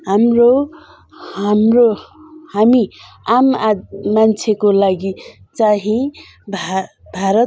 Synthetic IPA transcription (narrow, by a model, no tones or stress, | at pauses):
ɦamro | amrohami | amamant͡sʰekolaɡi | t͡saɦĩ | bʱa | bʱaɾʌ